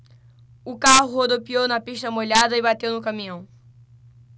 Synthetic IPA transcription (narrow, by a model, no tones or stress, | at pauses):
ʊkaɦʊod̪opiownɐpiʃt̪ɐmoʎad̪ɐɪbat̪ewnʊkɐmĩɐ̃w̃